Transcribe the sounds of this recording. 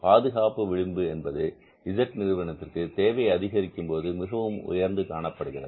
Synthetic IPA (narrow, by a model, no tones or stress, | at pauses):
paːðɯɣaːpɯʋɪɻɪmbɯɛnbɐðɯ | ɪd͡ʒɐkːnɪɾɯʋɐnɐt̪ːɪrkɯt̪eːʋɐjɐðɪɣɐɾɪkːɯmpoːðɯmɪɣɐʋɯmʊ̰jɐɾnd̪ɯkaːɳɐpːɐɽɯɣɪrɐ̰ð